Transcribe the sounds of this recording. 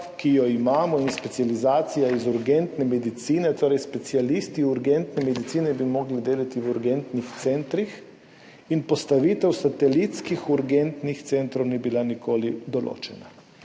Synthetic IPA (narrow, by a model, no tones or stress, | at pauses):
kijɔimaːmɔinspɛt̪sjalizaːt̪sijaizuɾɡɛnt̪nɛmɛd̪it̪siːnɛt̪oːɾɛjspɛt̪sialist̪iuɾɡɛnt̪nɛmɛd̪it̪siːnɛbimɔɡlid̪eːlat̪iwuɾɡɛnt̪nixt̪sɛnt̪ɾix | inpɔst̪aʋit̪ɛwsat̪ɛlit̪skixuɾɡɛnt̪nixt̪sɛnt̪ɾownibilanikoːlid̪ɔlo̰ːt͡ʃɛna